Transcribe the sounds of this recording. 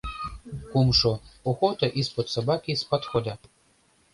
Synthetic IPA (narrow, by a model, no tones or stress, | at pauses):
kumʃɔɔxɔt̪ɐʔispɔt̪sɐbakʲispat̪xɔd̪a